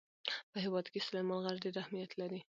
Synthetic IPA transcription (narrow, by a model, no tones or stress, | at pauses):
pəhɪwɑd̪keslemɑlɣaɾdeɾahmijat̪ʰlaɾi